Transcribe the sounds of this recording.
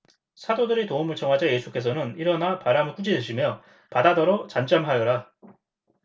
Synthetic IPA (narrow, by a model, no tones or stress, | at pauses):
sʰadodɯɾitoumɯɭt͡ɕʌŋɦad͡ʑaje̞sʰuk͈e̞sʰʌnɯniɾʌnapaɾamɯɭk͈ud͡ʑidɯɕʰimjʌ | padadʌɾot͡ɕand͡ʑ͈amɦajʌɾa